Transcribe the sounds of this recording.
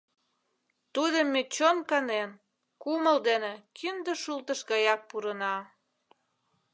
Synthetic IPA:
t̪ud̪əmːet͡ɕonkɑnen | kuməld̪enekʰynd̪əʃult̪əʃɡɑjɑk̚puɾənɑ

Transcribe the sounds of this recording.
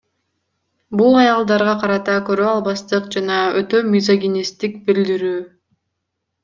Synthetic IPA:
bulˠɑjɑlˠd̪ɑɾʁɑqʰɑɾɑt̪ɑkø̞ɾøɑlˠbɑst̪ɯqd͡ʒɑnɑøt̪ø̞mʲizaɡʲinʲist̪ikbild̪iɾyː

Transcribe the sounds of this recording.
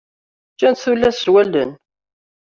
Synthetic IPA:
t͡ʃːænt̪θulːæsːwælːə̰n

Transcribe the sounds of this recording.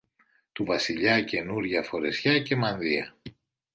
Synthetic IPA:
t̪uvɐsiʎɐce̞nuɾʝɐfo̞ɾe̞sçɐce̞mɐnðiɐ̰

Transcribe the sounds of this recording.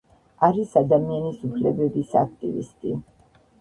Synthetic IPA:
aɾisad̪amianisupʰlɛbɛbisa̰k̚ʰt̪ʼḭvḭst̪ʼi

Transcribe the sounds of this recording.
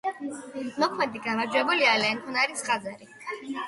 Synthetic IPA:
nɔkʰmɛnt̪ʼiɡamaɾd͡ʒwɛbulialɛnt̪ʰʼunaɾisχʼad̪zaɾi

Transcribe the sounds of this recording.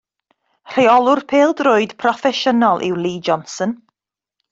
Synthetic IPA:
r̥eɔlˠʊrpʰeːlˠdrʊɨd̥pʰrɔfɛʃənɔlˠʔɪ̰wlˠiːd͡ʒɔnsən

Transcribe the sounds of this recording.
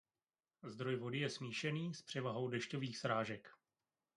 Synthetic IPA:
zd̪ɾo̞jvo̞dɪjɛsmiːʃɛniːspr̝̥ɛvaɦo̞wdɛʃcoviːxsɾaːʒɛk

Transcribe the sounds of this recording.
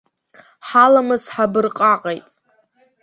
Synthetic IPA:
ħalamɨzħabɨrqʼaqʼejtʼ

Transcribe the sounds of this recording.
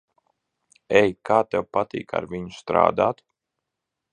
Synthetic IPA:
ɛjkaːt̪ɛwpat̪ḭːka̰ɾvʲiɲust̪ɾa̰ːd̪aːt̪

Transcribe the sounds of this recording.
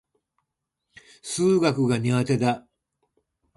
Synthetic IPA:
sɨːɡakɯ̟ɡaɲ̟iɡat̪e̞d̪a

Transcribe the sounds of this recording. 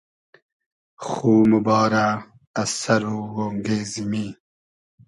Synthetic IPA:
xuːmubɑːɾa | ɐsɐɾuwoːŋɡeːzimi

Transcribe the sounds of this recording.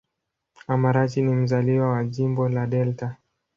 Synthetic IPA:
amaɾat͡ʃinim̩zaliwawaʄimbɔlaɗɛlta

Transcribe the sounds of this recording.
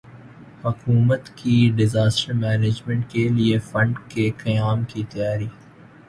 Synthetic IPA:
hʊkuːmət̪kiɖɪzaːsʈəɾmɛːneːd͡ʒmɛ̃ɳʈ̚keliefɐ̃ɳɖkekɐjaːmkit̪ɐjaːɾiː

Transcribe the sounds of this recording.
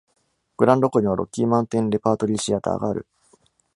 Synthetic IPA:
ɡ̥ɯ̟ɾãnd̪o̞koɲ̟iβaɾo̞̰kʲːiːmãnt̪ẽ̞nɾe̞paːt̪o̞ɾʲiɕiat̪a̰ːɡa̰ːɾɯ̟̰

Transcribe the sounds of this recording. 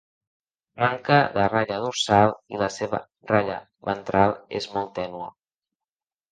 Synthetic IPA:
maŋkəðəraʎəðuɾsalˠiləseβə̰ | raʎə̰ | βə̰nt̪ɾalˠḛzmɔlˠt̪ɛnuə

